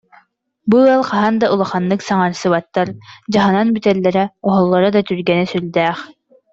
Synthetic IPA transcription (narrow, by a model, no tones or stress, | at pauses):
buɑlˠqɑɦɑnd̪ɑʔulˠaχɑnːɯksɑŋɑɾsɯβat̪ːaɾd͡ʑɑɦɯnɑnbyt̪ɛlːɛɾɛɔɦɔlˠːɔɾad̪ɑt̪yɾɡɛnɛsyld̪ɛːχ